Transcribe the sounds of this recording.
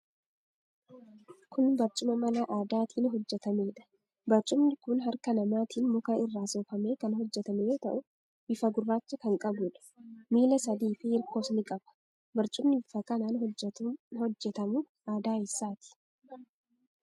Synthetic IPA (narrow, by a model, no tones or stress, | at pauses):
kʊnbɐɾt͡ʃʼʊmɐmɐnaʔaːd̪aːt̪ʰiːnɦɔd͡ʒːɛt̪ɐmeːᶑɐ̥ | bɐɾt͡ʃʼʊmnɪkʊnɦɐɾkɐnɐmaːt̪ʰiːnmɔkaːɪrːaːsoːfɐme̞ːkɐnɦɔd͡ʒːɛt̪ɐmɛjo̞ːt̪ɐʔʊ | bɪfɐɡʊrːaːt͡ʃːɐkɐŋkʼɐbuːᶑɐ̥miːlɐsɐd̪iːfɪɪɾkoːsnɪkʼɐb̥ɐ̥ | bɐɾt͡ʃʼʊmnɪfɐkɐnaːnɦɔːhɔd͡ʒːɛt̪ɐmʊ | ʔaːd̪aːɪsːaːt̪ɪ̥